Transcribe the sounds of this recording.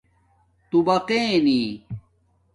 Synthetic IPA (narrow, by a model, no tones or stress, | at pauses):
t̪ubɐqẽːni